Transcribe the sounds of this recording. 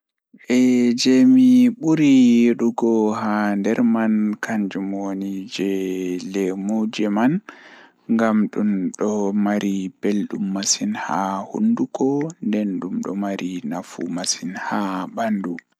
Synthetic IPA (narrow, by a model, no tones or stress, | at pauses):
ʔɛd͡ʒemiɓuɾijɗuɡɔɦandɛɾmankʰaɲd͡ʒumonid͡ʒɛlɛmud͡ʒɛman | ŋɡamɗumɗɔmaɾib̥elɗumːasinha̰hṵnduɡɔndɛnɗumɗɔ̰maɾʔinafṵmasinhabandu